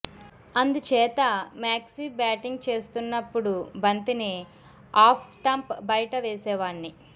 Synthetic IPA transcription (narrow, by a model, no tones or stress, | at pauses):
ɐnd̪ut͡ʃɛːt̪ɐmaːksibaːʈiŋɡ̚t͡ʃe̞ːst̪unːɐpːuɽubɐnt̪ini | aːpʰsʈɐmpbɐjʈɐʋɛːsɛːʋaːɳːi